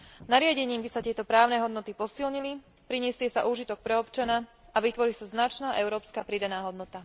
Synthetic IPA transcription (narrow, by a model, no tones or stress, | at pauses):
naɾɪaɟɛɲiːmbisat̪ɪɛt̪ɔpɾaːʊnɛɦɔd̪nɔt̪ipɔsilɲili | pɾiɲɛsɪɛsaʔuːʒit̪ɔk̚pɾɛɔpt͡ʃanaaʋit̪ʋɔɾisaznat͡ʃnaːʔɛʊɾɔːpskapɾid̪anaːɦɔd̪nɔt̪a